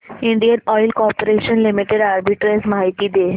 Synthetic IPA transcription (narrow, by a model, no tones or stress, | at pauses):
iɳɖijənɔjlkɔɾpoɾeʃənlimiʈeɖaɾbiʈɾesmaɦit̪id̪e